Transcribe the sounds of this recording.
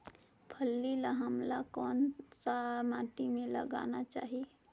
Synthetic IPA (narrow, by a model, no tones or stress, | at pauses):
pʰəlːilaɦəmlakɔnsamaʈimẽlə̰ɡa̰nat͡ʃa̰ːɦi